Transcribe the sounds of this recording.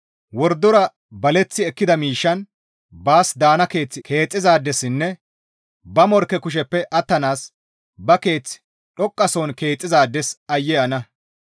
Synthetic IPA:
wɔɾd̪ːɔɾɐ | bɐlɛt͡sːɪɛkːɪd̪ɐmiːʃːɐn | baːsd̪aːnɐke̞ːt͡sːɪkʰe̞ːt͡sʼːɪzaːd̪ːɛsɪnːɛ | bɐmɔɾkɛkʊʃ̬ɛpːɛʔɐt̪ːɐnaːs | bɐke̞ːt͡sːɪ̥ | ᶑɔkʼːɐsoːnke̞ːt͡sʼːɪzaːd̪ːɛsɐjːɛɐnɐ

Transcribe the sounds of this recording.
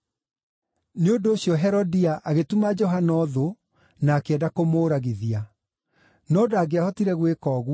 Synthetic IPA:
neondoːɕjɔɦɛɾɔdiaʔaɣetumad͡ʒɔɦanɔðo | naːkeɛdakomoːɾaɣiðia | nɔdaɡeahɔtiɾɛɣwekɔːɣw

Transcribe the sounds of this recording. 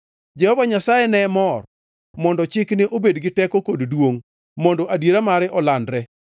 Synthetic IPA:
d͡ʒɛhɔvaɲasajɛnɛmɔr | mɔndɔt͡ʃɪknɪʔobedɡɪtɛkokoddwoŋ | mondɔʔadjeɾamaɾɪʔɔlandɾɛ

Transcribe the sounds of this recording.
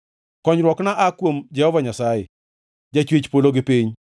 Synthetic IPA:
kɔɲɾwɔknaʔakwomd͡ʒɛhɔvaɲasajɪ̰ | d͡ʒat͡ʃwet͡ʃpoloɡɪpɪɲ

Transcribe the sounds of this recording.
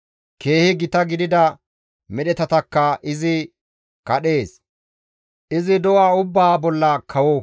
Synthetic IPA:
ke̞ːhɪɡɪt̪ɐɡɪd̪ɪd̪ɐ | mɛɗɛt̪ɐt̪ɐkːɐʔɪzɪ | kɐɗe̞ːs | ʔɪzɪd̪ɔwaːʊbːaːbɔlːɐkʰɐwɔ

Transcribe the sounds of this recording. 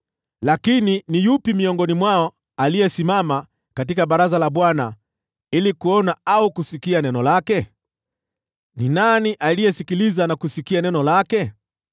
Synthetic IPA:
lakininijupimiɔŋɡɔnimwaɔ | alijɛsimama | katikaɓaɾazalaɓwana | ilikuɔnaaukusikianɛnɔlakɛ | ninaniʔalijɛsikilizanakusikianɛnɔlakɛ

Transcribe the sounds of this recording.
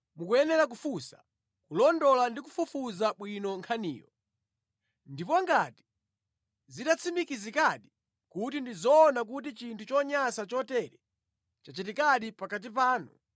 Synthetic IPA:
mukujɛnɛɾak̬ufusḁ | kulɔndɔlandikufufuzaɓwinɔŋkʰanḭːjɔ | ndipɔŋɡati̥ | ziɗat͡sʰimikizikaɗi | kutindizɔːnak̬ut̬it͡ʃintʰut͡ʃɔɲasat͡ʃɔtɛɾɛ | t͡ʃat͡ʃit̬ikaɗipakat̬ip̬aːnu

